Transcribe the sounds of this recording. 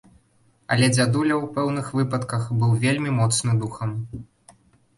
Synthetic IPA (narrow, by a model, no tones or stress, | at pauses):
ɐ̰lʲɛd͡zʲad̪ulʲɐwpɛwnɨxvɨpɐt̪kɐxbɨwvʲelʲmʲimɔt̪snɨd̪uxɐm